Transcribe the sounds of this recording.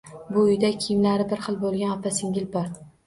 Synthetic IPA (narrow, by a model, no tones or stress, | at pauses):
bʊʊjd̪akʲʰɪjmlaɾɪbɪɾχɨlˠbolˠɡʲanapʰasɪŋʲɪlbɒɾ